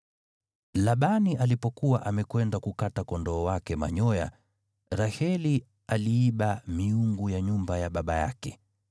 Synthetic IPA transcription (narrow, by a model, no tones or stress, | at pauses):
laɓaniʔalipɔkuwaʔamɛkwɛndakukatakɔndɔːwakɛma̰ɲɔja̰ | ɾahɛli | aliːɓamiuŋɡujaɲumbajaɓaɓaja̰kɛ